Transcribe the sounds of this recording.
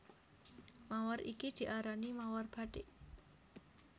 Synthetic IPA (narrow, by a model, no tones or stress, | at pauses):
mawaɾʔikid̪̥i̤ʔaɾanimawarb̥a̤ɖeʔ